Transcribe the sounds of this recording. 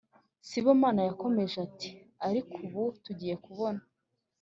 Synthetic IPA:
siβomaːnajako̞me̞ʒeati̥ | aɾikʰuβutuɟiːje̞kuβo̞na

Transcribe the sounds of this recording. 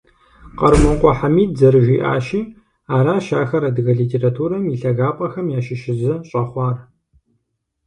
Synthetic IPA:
qɐɾmɐqʷʼɔħamiːtzɐɾɨʒʷiːʔa̰ːʃiː | aːɾaːʃaːxɐɾɐdɨɣɐɮiːtʰeːratʰuːɾɐmiːɬɐɣaːpʼɐxɐmjaːʃɪʃɪzɐɕʼɐχʷɑːr

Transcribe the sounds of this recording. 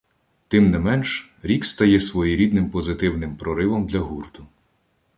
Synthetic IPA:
t̪ɪmnɪmɛnʃ | ɾʲikst̪ɐjɛsʋɔjiɾʲid̪nɪmpɔzɪt̪ɪwnɪmpɾɔɾɪʋɔmd̪lʲɐɦurt̪ʊ

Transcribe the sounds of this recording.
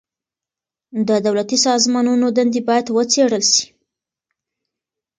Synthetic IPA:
d̪əd̪awlat̪isɑzmɑnunod̪and̪ibɑjad̪wət͡seɽəlʃi̥

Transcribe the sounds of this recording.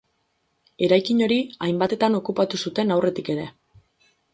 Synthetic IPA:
e̞ɾajkiɲo̞ɾiajmbat̪e̞t̪ano̞kupat̪usut̪e̞nawre̞t̪ike̞ɾe̞

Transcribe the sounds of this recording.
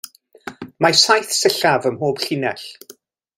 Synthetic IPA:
masajθsəɬavəmhoːb̥ɬɪnɛɬ

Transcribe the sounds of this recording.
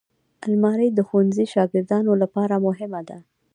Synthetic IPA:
almɑɾəjd̪əxuwanziʃɑɡɪɾd̪ɑnolapɑɾamʊɦɪmad̪a

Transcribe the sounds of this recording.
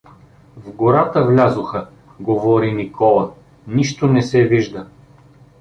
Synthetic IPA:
vɡoɾat̪əvlʲazoxə | ɡovɔɾinikʰɔlˠə | niʃt̪onɛsɛviʒd̪ə

